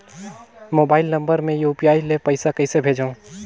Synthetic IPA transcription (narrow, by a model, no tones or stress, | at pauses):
moːbaːɪlnɐ̃mbəɾmẽjuːpijaːilepɐɪsakɐɪsebʱeːd͡ʒaũ